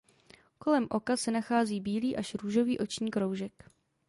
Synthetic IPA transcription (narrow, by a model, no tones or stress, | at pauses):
ko̞lɛmʔo̞kasɛnaxaːziːbiːliːʔaʃɾuːʒo̞viːʔo̞t͡ʃɲiːkɾowʒɛk